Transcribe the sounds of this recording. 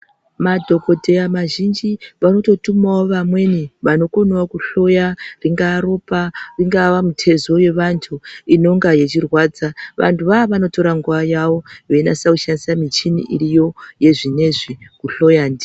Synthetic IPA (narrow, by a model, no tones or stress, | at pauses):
madʱo̞ko̞te̞amaʒind͡ʒiʋano̞to̞tumawoʋamwe̞niʋano̞ko̞nakuɬo̞jariŋɡaːɾo̞pariŋɡaʋamutʰe̞zo̞je̞ʋantʰuino̞ŋɡaje̞t͡ʃirwaːd͡zaʋʔa̰ntʰuʋaʋano̞to̞ɾaŋɡuʋajaʋo̞ʋenasauʃandisamit͡ʃinḭʔiɾijo̞je̞ʐine̞ʐikuɬo̞jaːndi